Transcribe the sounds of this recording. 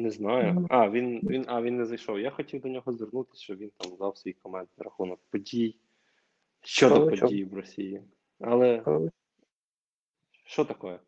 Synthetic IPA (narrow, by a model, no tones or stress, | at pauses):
nɛznɑjʊɑʋʲinʋʲinɑʋʲinːɛzɐjʃɔwjaxɔtʲiwd̪ɔnʲɔɦɔzd̪ɪrnut̪ɪ̥sʲʃt͡ʃɔʋʲint̪ɑmzɑwsʋʲijkɔmɑnd̪nɐɾɐxunɔkpɔdʲij | ʃt͡ʃːɔd̪ɔpɔijiʋrɔsʲiji | ɐlˠɛ | ʃt͡ʃɔt̪ɐkɔjɛ